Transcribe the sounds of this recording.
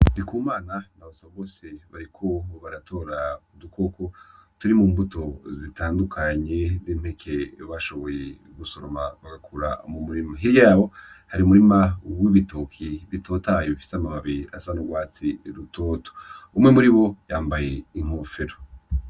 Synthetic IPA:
nikuːmaːnanaβasaβaβo̞ːse̞βaɾikʰo̞βaɾatʰo̞ːɾaudukʰo̞ko̞tuɾimuːmbuto̞zitaːndukʰaɲe̞zim̥hekʰe̞βaʃo̞βo̞je | ɡuso̞ɾomaβaɡakʰuɾa̰mumuɾimaɦiɾjaːβo̞ | haɾiumuɾimawiβitokʰiβito̞ːtajoβifi̥samamaβiɾiasanoɡwaːt͡siɾutʰo̞ːto̥umŋe̞muɾiβo̞jaːmbaje̞iŋ̥hoːfeɾo

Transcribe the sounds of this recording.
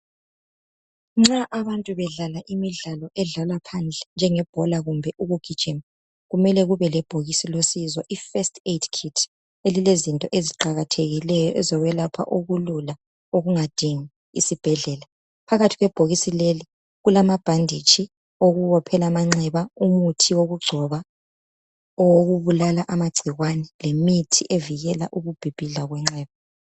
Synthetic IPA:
ŋ͡ǁaʔaβantʼuβɛɮalaʔimiɮalɔʔɛɮalapʰand͡ɮʱɛnd͡ʒʱɛŋɛb̥ʱɔlaɣumbʱɛʔuβuɡ̥ʱi̥d͡ʒ̥im | ɣumɛlɛɣuβɛlɛb̥ʱoɣisilosizɔʔifɛstʰetʰkʰitʰ | elilezintʼɔʔeziǃaɣatʰeɣilɛjɔʔɛzɔɣwɛlapʰa̰ʔoɣulula | oɣuŋad̥ʱiŋi | isib̥ʱɛɮɛːla | pʰaɣatʰiɣwɛb̥ʱoɣisileli | ɣulamab̥ʱandʱit͡ʃʰʼi | oɣuwɔpʰɛlamaŋ͡ǀɛβaumutʰiwoɣuɡ͡ǀʱɔβa | ɔwoɣuβulalaʔamaɡ͡ǀʱiɣwanɛlemitʰiʔeviɣɛlaʔuɣub̥ʱib̥ʱiɮaɣwɛŋ͡ǁɛːβa

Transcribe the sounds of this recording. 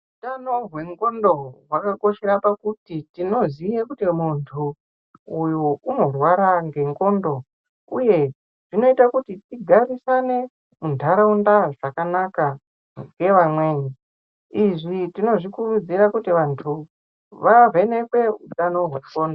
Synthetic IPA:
utanoɦwe̞ŋɡo̞ndo̞ɦwakako̞ʃe̞ɾapakutitino̞ziekutimuntʰu | ujuuno̞rwaɾaŋɡe̞ŋko̞ndo̞ | uje̞ | ʐ̥ino̞itakutitiɡʱarisane̞ | mundʱaɾaundaʐakanaka | ŋɡe̞ʋamwe̞ːɲi | iʐitino̞ʐikurud͡ziɾakutiʋantʰu | ʋave̞ne̞kwe̞utanoɦwe̞ŋɡoːndo

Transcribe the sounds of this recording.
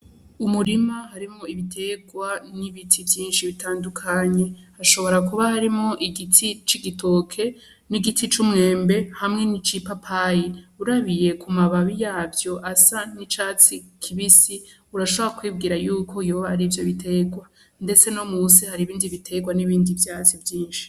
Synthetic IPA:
umuɾimahaɾimoiβitʰe̞ɡwaniβitʰivjiːnʃiβitʰaːndukʰaɲe̞aʃo̞βo̞ɾakuβahaɾimŋo̞ʔiɡitʰit͡ʃiɡitʰo̞kʰe̞ | niɡitʰit͡ʃumŋe̞ːmbe̞hamŋe̞nit͡ʃipapʰajiuɾaβije̞kʰumaβaβijaːvjo̞ʔasanit͡ʃaːt͡sikʰiβisi | uɾaʃoβoɾakwiːb̚ɡiːɾajuːkʰo̞joβahaɾivjoβitʰe̞ɡwa | nde̞t͡se̞nomuːsihaɾiːβiːndiβitʰe̞ɡwaniβiːndivjaːt͡sivjiːnʃi̥

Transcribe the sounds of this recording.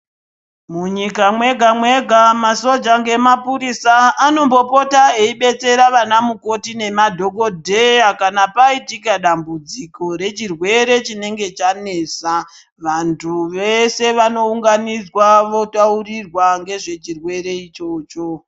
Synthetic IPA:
muɲikamwe̞ɡʱamwe̞ɡʱamaso̞d͡ʒaŋɡe̞mapuɾisaːno̞mbo̞po̞tae̞iɓe̞t͡se̞ɾaʋanamuko̞tine̞madʱo̞ko̞dʱejakanapaitikaɗambud͡ziko̞ɾe̞t͡ʃirwe̞ɾe̞t͡ʃine̞ŋɡe̞t͡ʃane̞ːsa | ʋantʰuʋese̞ʋano̞uŋɡanid͡zwaʋo̞taurirwaŋɡe̞ʐe̞t͡ʃirwe̞ɾe̞it͡ʃo̞ːt͡ʃo̞

